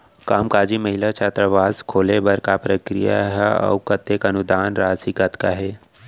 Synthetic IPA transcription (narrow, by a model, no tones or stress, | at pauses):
kaːmkaːd͡ʒimɐɦɪlat͡ʃʰaːt̪ɾəʋaːzkʰoːlebɐɾkapɾəkɾḭja̰ɦɛɔ̰ʊkət̪ekɐnʊd̪aːnɾaːsikat̪kaɦɛː